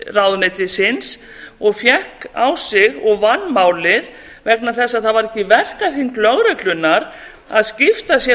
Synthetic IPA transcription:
rawðʏnɛjt̪ɪsɪns | ɔɣfjɛhka̰wsɪɣɔɣvanːmaːwlɪð | vɛknaθɛsːaðθaðvaɾɛhcːɪvɛr̥kaɾ̥hinklœɣɾɛklʏnːaɾ | aðscɪft̪asjɛ

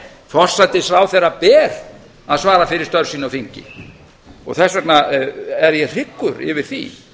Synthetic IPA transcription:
θɔr̥sajt̪ɪsɾaːwθɛɾapɛːɾ | aðsvaːɾafɪɾɪɾ̥st̪œɾ̥siːnaɔfiɲcɪ̰ | ɔ̰ɣθɛsvɛt̪naɛɾjɛr̥ɪkːʏɾɪ̰vɪɾ̥θḭ

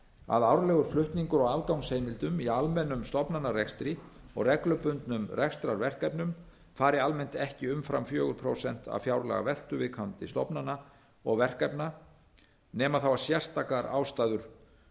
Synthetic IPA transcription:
a̰ðawɾlɛːɣʏɾ̥flʏht̪niŋkʏɾɔɣalkawnsheːjmɪlt̪ʏmialmɛnːʏmst̪ɔpnanːarɛkst̪ɾiɔ̰ɣrɛklœpʏnt̪nʏmrɛkst̪ɾaɾvɛr̥kajpnʏm | faːɾɪalmɛn̥t̪ɛhcɪʏmfɾa̰mfjœːɣʏɾpʰɾowsɛn̥t̪a̰vfjawɾlɛ̰ɣa̰vɛl̥t̪ʏvɪkʰant̪ɪst̪ɔpnana | ɔɣvɛr̥kajpna | nɛːmaθawvaɾ̥sjɛr̥st̪akaɾa̰ːwst̪aːðʏɾ̥

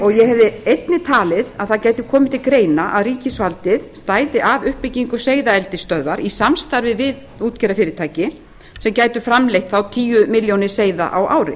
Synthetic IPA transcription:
ɔɣjɛhɛvðɪejt̪nɪt̪ʰaːlɪðaðθaðcaːjt̪ɪkʰɔːmɪt̪ʰɪlkɾeːjnaʔa̰ðriːcɪsvalt̪ɪðst̪aːjðɪʔavʏhpɪciŋkʏseːjðaɛlt̪ɪst̪œðvaɾisamst̪aɾvɪvɪð | uːt̪cɛɾafɪːɾɪt̪ʰaːjcɪ | sɛmcaːjt̪ʏfɾamlejht̪θawt̪ʰiːjʏmɪljownɪ̥seːjða̰ʔawʔaːwɾɪ̰

